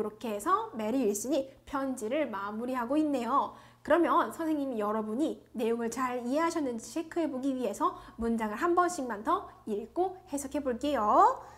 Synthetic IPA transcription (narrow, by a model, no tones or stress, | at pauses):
ɯɾokʰe̞esʰʌme̞ɾiːɭɕ͈iɲipʰjʌnd͡ʑiɾɯɭmamuɾiɦaɡoinːe̞jo | kɯɾʌmjʌnsʰʌnsʰe̞ŋɲimijʌɾʌbuɲine̞joŋɯɭt͡ɕaɾiɦe̞ɦaɕʰʌnːɯnd͡ʑiɕʰe̞kʰɯɦe̞boɡiɥiɦe̞sʰʌmund͡ʑaŋɯɭɦambʌnɕ͈ʰiŋmantʰʌiɭk͈ohe̞sʰʌkʰe̞boɭk͈e̞jo